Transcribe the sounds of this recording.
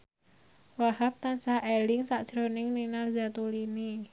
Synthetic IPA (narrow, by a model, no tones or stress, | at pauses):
wahap̚t̪ansahʔelɪŋsaʔd̥ʒ̥ɾo̤nɪŋninalzat̪uline